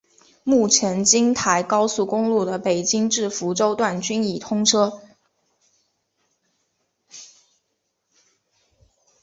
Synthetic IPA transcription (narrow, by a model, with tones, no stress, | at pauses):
mu˥˩t͡ɕʰjɛ˧˥nt͡ɕi˥ŋt̪ʰa˧˥ɪkɑ˥ʊsu˥˩kʊ˥ŋlu˥˩d̪ə˩pe˨˩ɪt͡ɕi˥ŋʈ͡ʂɻ̩˥˩fu˧˥ʈ͡ʂo˥ʊt̪wa˥˩nt͡ɕy˥ni˨˩t̪ʰʊ˥ŋʈ͡ʂʰɤ˥